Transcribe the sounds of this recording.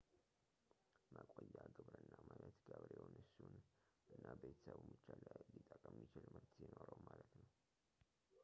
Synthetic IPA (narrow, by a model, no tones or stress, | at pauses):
məkʼojːaɡɨβɾɨnːamanət̪ɡəβɾewonɨsun | ʔɨnːabe̞t̪ʰə̥səβmɨt͡ʃːalajlit̪ʼːəkʼəmːit͡ʃɪlməɾt̪ʰjɛnoɾəwmalət̪nəw